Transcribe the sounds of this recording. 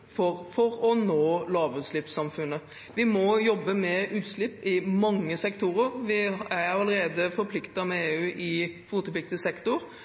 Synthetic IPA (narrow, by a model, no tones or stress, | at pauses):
fɔɾfɔɾɔnoːlɑːʋʉːt̪slɪpsɑmfʉnːə | ʋɪmɔjɔbːəmɛʔʉːt̪slɪpːɪmɑŋːəsɛkt̪ʰuɾəɾʋɪæɾɑləɾeːd̪əfɔɾpʰlɪkt̪ɑmɛeːʉːʔɪfut̪əplɪk̚t̪əsɛkt̪ʊɾ